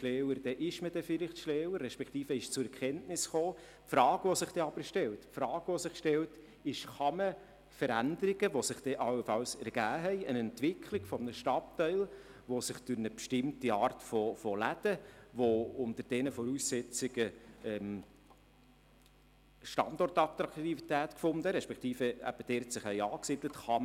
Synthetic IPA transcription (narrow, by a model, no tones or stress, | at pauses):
ʃlɛːwəɾd̪̥ɛʔɪʃməd̪ɛfɪlɪχtʃlɛːwəɾːɛʃpɛkt̪iːfəɪʃt͡sʊɾɛɾkʰɛntnɪsχoː | pfɾɑːɡ̥ʋɔsɪχd̥ɛɑb̥əɾʃtɛltfɾɑːɡ̥ʋosɪχʃtɛlt | ɪʃχɑmə | fəɾændəɾɪɡəʋosɪχd̥ɛʔɑwəfɑlsɛɾɡ̥æːɦɛɪənɛntʋɪkʰlɪɡ̥fɔmnəʃtɑtːɛɪl | ʋosɪχd̥ʊɾnəpʃtɪmtiɑːɾtfɔfɔlæd̪̥əʋoʊnt̪əɾd̥ɛnəfɔɾuːsːɛt͡sɪɡ̥əɛm | ʃtɑ̰ndɔrtɑt̪ɾɑkt̪ivit̪æːtkfʊnd̪əɾɛʃpɛkχt̪iːfəæ̰b̥əd̥ɛɾtsɪχhɛɪɑːksɪd̥lətχɑm